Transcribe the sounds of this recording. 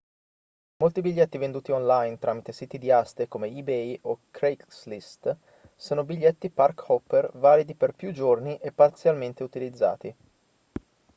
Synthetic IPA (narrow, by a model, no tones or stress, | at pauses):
molt̪ibiʎːɛt̪ːivend̪uːt̪iɔnlajnt̪ɾʔaːmit̪esiːt̪id̪iast̪ekomeibɛjokɾekslist̪ | soːnobiʎːɛt̪ːiparkɔpːervaːlid̪iperpjud͡ʒorniʔepːart̪sjalment̪eut̪ilid̪zːa̰ːt̪i